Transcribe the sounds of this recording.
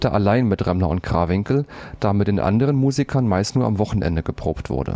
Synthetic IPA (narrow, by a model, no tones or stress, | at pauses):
tɐʔalaɪnmɪtʁɛmlɐʊnt̚ɡ̥ʁ̥a̰ːvɪŋkl̩d̥aːmɪt̚d̥eːnʔa̰ndəʁənmuːzikʰɐnmaɪstnuːɐʔamvɔχn̩ʔɛ̰ndəɡəpʁ̥o̰ːptv̥ʊ̰ɐdə̰